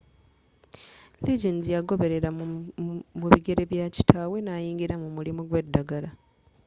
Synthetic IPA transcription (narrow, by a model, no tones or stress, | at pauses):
liɟinzjaɡo̞βe̞ɾe̞ɾa | muβiɡe̞ɾe̞βjaːci̥tʰaːwe̞naːjiːŋɡiɾamumulimuɡwe̞dːaɡala